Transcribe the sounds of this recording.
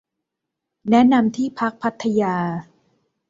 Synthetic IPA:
nɛ˦˥na˧mt̪ʰiː˥˩pʰa˦˥k̚pʰa˦˥t̪ʰːa˧jaː˧

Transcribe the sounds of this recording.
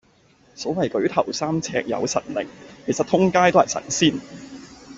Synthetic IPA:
sɔː˨˥wɐ˨jkɵ˨˥ɥt̪ʰɐ˨˩wsaː˥mt͡sʰɛ̰ː˧k̚jɐ̰˨˧wsɐ̰˨t̚lɪ̰˨˩ŋkʰe˨˩jsɐ˨t̪ʰʊ˥ŋkaː˥jt̪o˥hɐ˨jsɐ̰˨˩nsiː˥˩n

